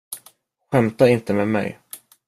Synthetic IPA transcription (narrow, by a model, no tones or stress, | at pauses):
ɧɛmt̪aɪnt̪əmeːd̪mɛ̰j